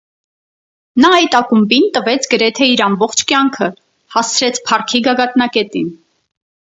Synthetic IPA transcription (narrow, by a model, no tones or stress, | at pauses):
nɑɑjt̪ɑkumbint̪əvɛt͡sʰɡəɾɛt̪ʰɛiɾɑmbɔχt͡ʃʰkjɑŋkʰə | hɑst͡sʰɾɛt͡sʰpʰɑrkʰiɡɑɡɑt̪nɑkɛt̪in